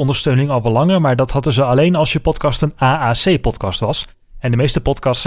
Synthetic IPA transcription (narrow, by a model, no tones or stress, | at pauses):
ɔndəɹstøɥnɪŋɑlˠʋɑlɑŋəɹmaːɹdɑthɑdəzəɑlejnɑlˠsjəpɔtkɑstənaːaːsejpɔtkɑstʋɑs | ɛndəmejstəpɔtkɑsts